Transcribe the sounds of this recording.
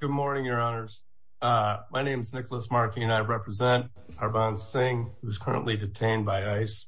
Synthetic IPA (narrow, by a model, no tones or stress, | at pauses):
ɡ̥ʊd̚mɔɹnɪ̃ŋjə˞ɑnə˞z̥ | ʌmaɪnẽɪ̃mznɪkl̩ˠəsmɑɹkĩɨ̃naɪɹɛpʰɹɨzɛ̃nt | əɹbɑ̃n̥sɪ̃ŋhuʌz̥kʰɜ˞ə̰̃nʔlidɨtʰẽɪ̃nbaɪaɪs